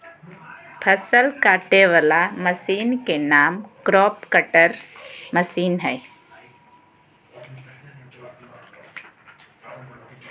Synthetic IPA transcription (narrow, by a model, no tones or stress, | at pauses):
pʰəsəlkaːʈeʋəlaməsiːnkenaːmkɾɔːpkəʈəɾməsiːnɦɛː